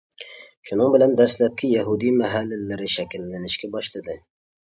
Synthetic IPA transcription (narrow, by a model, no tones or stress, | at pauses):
ʃʊnɨŋbɪland̪æslæp̚kʲʰɪjaɦud̪ijmæɦalːɪlːɪɾɪʃækʲɪlːɪnɪʃkʲɛbɒʃlˠɨd̪ɪ